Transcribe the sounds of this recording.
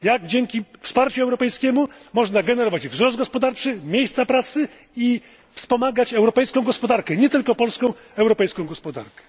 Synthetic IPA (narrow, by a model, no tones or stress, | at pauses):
jaɡd͡ʑɛŋkʲifspaɾt͡ɕuɛwɾɔpɛjskʲɛmumɔʐnaɡɛnɛɾɔvad͡ʑvzɾɔzd̪̚ɡɔspɔd̪aɾt͡ʂɘmʲjejst̪sapɾat̪sɘ | i | fspɔmaɡat͡ɕɛwɾɔpɛjskɔ̃w̃ɡɔspɔd̪aɾkɛɲɛt̪ɘlkɔpɔlskɔ̃w̃ | ɛwɾɔpɛjskɔ̃w̃ɡɔspɔd̪a̰ɾkɛ̥